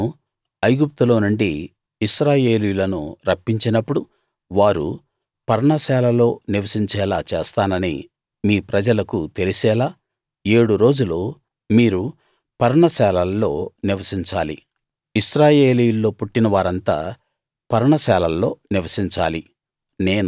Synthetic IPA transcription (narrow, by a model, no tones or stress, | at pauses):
u | ɐjɡup̚t̪ulo̞ːnuɳɖiː | ʃɾaːje̞ːlijulɐnṵɾɐpːiɲt͡ʃinɐpːuɽu | ʋaːɾṵ | pɐɾɐɳɐsɛːlɐlo̞ːniʋɐsiɲt͡ʃɛːlaːt͡ʃeːst̪aːnɐnḭ | miːpɾɐd͡ʒɐlɐkut̪e̞lisɛːlaː | e̞ːɽuɾo̞ːd͡ʒuloː | miːɾu | pɐɾɐɳɐsɛːlɐlːo̞ːniʋɐsiɲt͡ʃaːlḭ | iʃɾaːje̞ːlijulːo̞ːpuʈːinɐʋaːɾɐnt̪a̰ː | pɐɾɐɳɐsɛːlɐlːo̞ːniʋɐsiɲt͡ʃaːli | ne̞ːn